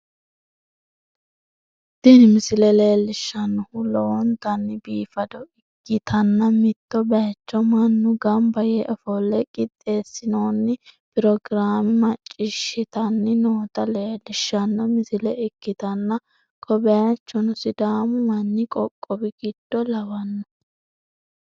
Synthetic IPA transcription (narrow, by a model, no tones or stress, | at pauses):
d̪̥ɪnɪmɪsɪlɛle̞ːlːɪʃːɐnːʊhʊlɔwɔnt̪ɐnːɪbiːfɐd̪ɔɪkːɪt̪ʰɐnːɐmɪt̪ːɔbɛjɐt͡ʃːɔmɐnːʊɡɐmbɐjɛʔɔfɔlːɛkʼɪt̪ʼːe̞ːsːɪnoːnːɪpɪɾɔɡɾaːmɪmɐt͡ʃʼːɪʃɪt̪ɐnːɪnoːt̪ɐle̞ːlɪʃːɐnːɐmɪsɪlɛɪkːɪt̪ɐnːɐ | kʰɔbɛjt͡ʃːɔnʊsɪd̪aːmʊmɐnːɪkʼɔkʼːɔbɪɡ̥ɪd̪̥ːɔlɐwɐnːɔ̥